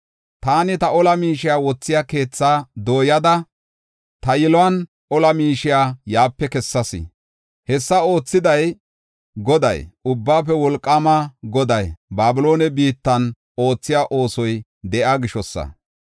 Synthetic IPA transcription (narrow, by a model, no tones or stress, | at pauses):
t̪aːnɪt̪ɐʔɔlɐmiːʃɪjaːwɔt͡sːɪjake̞ːt͡sːaːd̪o̞ːjɐd̪ɐ | t̪ɐjɪlɔwɐn | ʔɔlɐmiːʃɪjaːjaːpːɛkɛsːɐsɪ̰ | hɛsːɐo̞ːt͡sːɪd̪ɐj | ɡɔd̪ɐ̰jʊbːaːp̬ːɛwɔlkʼːɐmɐɡɔd̪ɐjbaːbɪlo̞ːnɛbiːt̪ːɐn | o̞ːt͡sːɪjaʔo̞ːsɔj | d̪ɛʔaɡɪʃɔsːɐ̰